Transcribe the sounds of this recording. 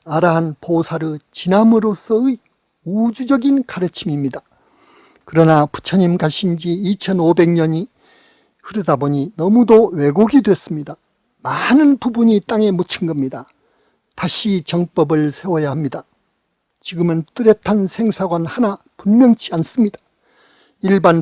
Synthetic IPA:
aɾaɦanposʰaɾɯt͡ɕinamɯɾos͈ʰʌɯ | ud͡ʑud͡ʑʌɡinkaɾɯt͡ɕʰimimɲida | kɯɾʌnapu̥t͡ɕʰʌɲimɡaɕʰind͡ʑiːt͡ɕʰʌnobe̞ŋɲʌɲi | ɸɯɾɯdaboɲinʌmudowe̞ɡoɡidwe̞s͈ɯmɲida | manɯnbpubuɲit͈aŋe̞mut͡ɕʰinɡʌmɲida | taɕʰit͡ɕʌŋp͈ʌbɯɭsʰe̞wʌjahamɲida | t͡ɕiɡɯmɯnt͈ɯɾjetʰansʰe̞ŋsʰaɡwanhana | punmjʌŋt͡ɕ͈ʰians͈ɯmɲidḁ | iɭban

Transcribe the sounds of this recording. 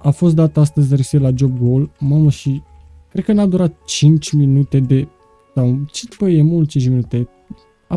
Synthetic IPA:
afo̞s̬t̪d̪at̪ast̪əzʲɾeselad͡ʒob̚ɡolmaməʃi | kɾed̪kənad̪uɾat̪̚t͡ʃint͡ʃʲminut̪e̞d̪e̞ | sawt͡ʃit̪pəjemult̪t͡ʃint͡ʃminut̪e | a

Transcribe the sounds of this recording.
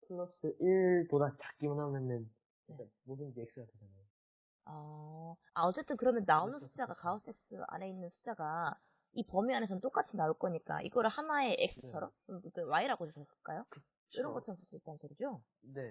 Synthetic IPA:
tʰɯɭːʌs͈ɯʔiɭpodat͡ɕḁk͈imɯnɦanenːɯn | iek͈a | mosɯnd͡ʑiek̚s͈ɯɡatʰed͡ʑanajo | a | aʌt͡ɕ͈e̞t͈ɯnkɯɾʌmjʌnːaonɯnsʰu̥t͡ɕ͈aɡakaos͈e̞k̚s͈ɯa̰ne̞inːɯnsʰu̥t͡ɕ͈aɡa | ipʌmiane̞sʰʌnt͈ok͈at͡ɕʰinauɭk͈ʌɲik͈a̰ʔḭɡʌɾɯɭhanae̞ʔek̚s͈ɯ̥t͡ɕʰʌɾʌmt͡ɕomkɯk͈ewaiɾaɡod͡ʑosʰʌs͈ɯ̥ɭk͈ajokɯ | iɾʌnɡʌt͡ɕʰʌɾʌmsʰʌs͈uit͈annsʰʌɾid͡ʑo | ne̞

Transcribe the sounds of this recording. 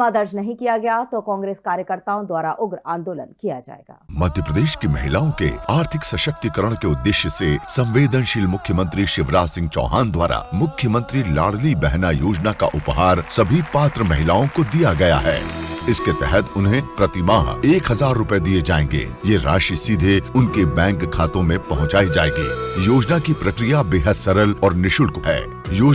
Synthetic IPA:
mad̪ɐɾd͡ʒnɐɦĩkijaɡɐjat̪okɔ̃ːŋɡɾeːskaːɾjəkəɾt̪aːõd̪waːɾaʔʊɡɾãːnd̪oːlə̰nkijad͡ʒa̰ːḛːɡa̰ːmɐd̪ʱjəpɾəd̪eːʃkemɐɦɪlaːõkḛaːɾt̪ʰɪksɐʃək̚t̪ikəɾəɽ̃keʊd̪ːɪʃjəsesɐ̃mʋeːd̪ənʃɪlmʊkʰjəmə̃nt̪ɾiʃɪʋɾaːsɪ̃ŋɡ̚t͡ʃɔ̰ːɦa̰ːnd̪wa̰ːɾa̰mʊkʰːjəmə̃nt̪ɾila̰ːɽlibɛɦnajoːd͡ʒnaka̰ʔʊpɦaːɾsɐbʱipaːt̪ɾəmɐɦɪlaːõkod̪ijaɡɐja̰ɦɛ̰ːɪsket̪ɛɦɛt̪ʊnɦẽpɾɐt̪ɪmaːɦeːkɦɐzaːɾːʊped̪ied͡ʒaːḛ̃ːŋ̆ɡḛːjeɾa̰ːʃisiːd̪ʱeʊnkebɛ̃ːŋkkʰːaːt̪õmẽpɐɦʊ̃t͡ʃaːid͡ʒaːḛ̃ːŋɡḭːjoːd͡ʒnakipɾɐkɾijabeːɦəd̪sɐɾəlɔːɾnɪʃʊlkoɦɛ̰ː | joː

